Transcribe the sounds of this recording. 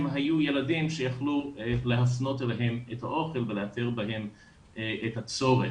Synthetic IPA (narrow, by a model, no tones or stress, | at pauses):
mɦajujeladimʃejaχluleɦafno̞teleɦe̞methaʔo̞χelveleateʁbaɦe̞m | ethat͡so̞ʁe